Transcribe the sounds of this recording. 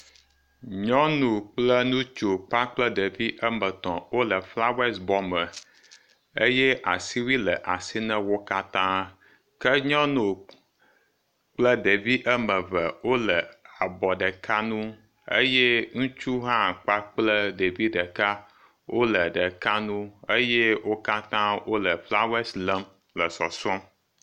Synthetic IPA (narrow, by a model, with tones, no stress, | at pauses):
ɲɔ̃˦nũ˨k͡plə˦nũ˦t͡ʃo˨k͡pa˦k͡plə˦ɖə˨vi˦ʔə˦mə˨t̪ɔ̃˨wo˦lə˨fla˦we˦sbɔ˦mə˨ | e˦je˦ʔa˨si˦wi˦lə˨ʔa˨si˦nə̃˦wo˦ka˦t̪ã˦ | kə˦ɲɔ̃˦nũ˨ | k͡plə˦ɖe˨vi˦ʔə˦mə̃˨və˨wo˦lə˨a˨bɔ˨ɖə˨ka˦nũ˦ | ḛ˦je˦ŋũ˦t͡ʃu˦ɦã˦k͡pa˦k͡plə˦ɖe˨vi˦ɖə˨ka˦ | wʔo˦lə˨ɖə˨ka˦nũ˦e˦je˦wo˦ka˦t̪ã˦wo˦lə˨fla˦wɛ˦slə˦m | lə˨sɔ˨sɔ˦m